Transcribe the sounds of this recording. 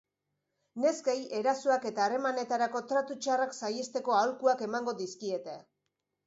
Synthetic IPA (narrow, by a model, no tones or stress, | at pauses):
ne̞skaje̞ɾasuake̞t̪aːre̞mane̞t̪aɾako̞t̪ɾat̪ut͡ʃaraksajest̪e̞ko̞awlkuake̞maŋɡo̞d̪iskie̞t̪ea